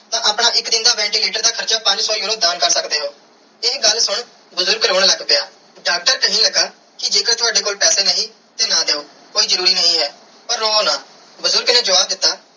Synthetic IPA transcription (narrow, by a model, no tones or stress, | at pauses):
t̪ãːʔəpɳaːʔɪkd̪ɪnd̪aːʋɛ̃ːɳʈiːliːʈəɾd̪aːkʰəɾt͡ʃaːpə̃ɲd͡ʒsɔːjuːɾõːd̪aːnkəɾsəkd̪eːɦoː | ɪɦɡəlsʊɳ | bʊzʊɾɡɾoːɳləɡpɪjaː | ɖaːk̚ʈəɾkəɦĩːləɡaː | kɪd͡ʒeːkəɾt̪ʰʊaːɖeːkoːlpɛːseːnəɦĩː | t̪eːnaːd̪eːuː | koːiːzəɾuːɾiːnəɦĩːɦɛː | pəɾːõːonaː | bʊzʊɾɡnẽːd͡ʒəʋaːb̚d̪ɪt̪ːaː